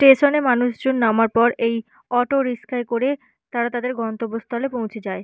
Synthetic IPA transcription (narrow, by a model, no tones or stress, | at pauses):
ʈeʃonemanuʃd͡ʑonːamaɾpɔɾej | ɔʈoɾiskʰaekoɾe | t̪aɾat̪ad̪eɾɡɔnt̪obːost̪ʰɔlepow̃t͡ɕʰed͡ʑae